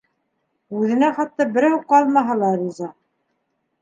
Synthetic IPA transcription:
ʉðɘ̆næχɑt̪ːɑbɘ̆ɾæwqɑlˠmɑɦɑlˠɑɾizɑ

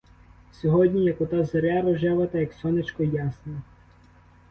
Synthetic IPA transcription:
sʲɔɦɔdʲnʲijɐkɔt̪azɐɾʲaɾɔʒɛʋɐt̪ɐjɐksʲɔnɪt͡ʃkɔjasnɐ

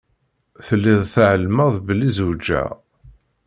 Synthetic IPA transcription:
θəlːiðˤθʕəlməðˤbəlizud͡ʒæ̰

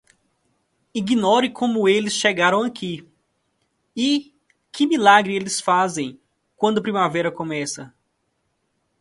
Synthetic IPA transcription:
iɡinɔɾɪkʰõmʊelɪsʃeɡaɾɐ̃w̃akʰi | ɪ | kɪmilaɡɾɪelɪsfazẽj̃ | kwɐ̃nd̪ʊɐpɾimavɛjɾɐkõmɛsɐ

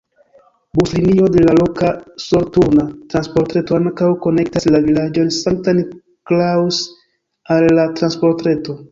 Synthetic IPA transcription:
buslinio̞de̞lalo̞kaso̞ɾtunatɾanspo̞ɾtɾe̞to̞aŋkawko̞ne̞k̚taslavilad͡ʒonsaŋk̚tan | klaws | alːatɾanspo̞ɾtɾe̞to̞

